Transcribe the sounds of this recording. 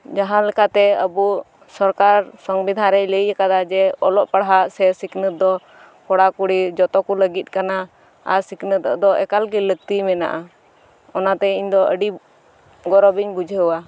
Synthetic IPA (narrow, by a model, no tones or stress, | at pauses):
d͡ʒaɦãlɛkat̪ɛəbu | sɔɾkaɾsɔŋbid̪ʱãɾɛʔləjakad̪ad͡ʒɛɔlɔʔpaɽɦasɛsiknət̪̚d̪ɔ | kɔɽakuɽid͡ʒɔt̪ɔkuləɡit̪̚ˀkana | a̰siknət̪d̪ɔʔɛkalɡilək̚t̪imɛna̰ʔa | ɔnat̪ɛiɲd̪ɔʔəɖi | ɡɔɾɔbiɲbud͡ʒʱəəwa